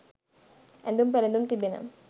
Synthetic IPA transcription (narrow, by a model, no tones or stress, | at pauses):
ɛ̰nd̪umpɛlɛnd̪umt̪ibena̰m